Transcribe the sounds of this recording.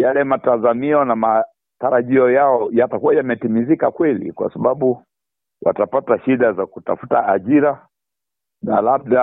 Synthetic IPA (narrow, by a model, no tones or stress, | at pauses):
jalɛmatazamiɔnama | taɾaʄiɔjaɔjatakuajamɛtimizikakwɛlḭkwa̰saɓaɓu | wa̰tapataʃiɗazakuta̰fu̥taːʄiɾa | nalab̚ɗa